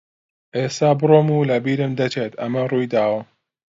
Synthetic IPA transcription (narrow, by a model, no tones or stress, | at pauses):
ʔeːst̪aːbɨroːmuːlɐbiːɾɨmd̪ɐt͡ʃʰeːt̪ʰɐmɐruːjd̪aːwɐ